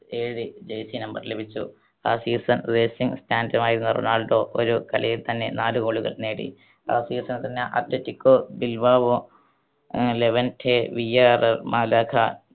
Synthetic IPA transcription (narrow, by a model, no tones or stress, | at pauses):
eːɻid͡ʑejsinɐmbɐrlebʱit͡ɕːṵ | aːsiːsɐnreːsiŋstaːndɐmaːjiɾunːɐrṵnːaːɭʈːoːʔoɾukɐ̰ɭijilt̪ɐnːe̞naːlukoːɭuɣɐ̰ɭne̞ːɽḭ | a̰ːsiːsɐnt̪ɐnːeʔɐ̰tlɐtːikːoːbilʋaːʋo | leʋɐntʰeːʋijaːrɐrmaːlaːkʰa